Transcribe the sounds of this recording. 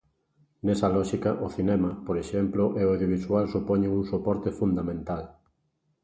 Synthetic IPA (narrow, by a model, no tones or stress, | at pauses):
nɛsɐlɔʃikɐʔʊθinɛmɐpoɾeʃɛmploʔeoawðjoβiswalsupɔɲeuŋsopɔɾt̪efund̪amẽnt̪al